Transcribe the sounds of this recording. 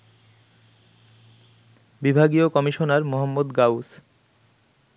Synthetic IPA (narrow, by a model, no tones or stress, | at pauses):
bibʱaɡiokɔmiʃonaɾmoɦamːod̪ɡaws